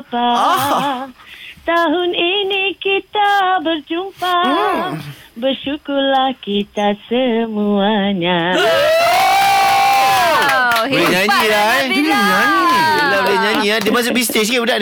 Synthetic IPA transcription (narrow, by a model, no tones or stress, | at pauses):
pa | t̪aɦʊninikit̪abərd͡ʒumpa | bərʃukʊlahkit̪asəmuaɲã | eɲãɲĩlaɲãɲi | labəleɲãɲĩadimãs̬ʊʔbis̬t̪es̬kaudaʔ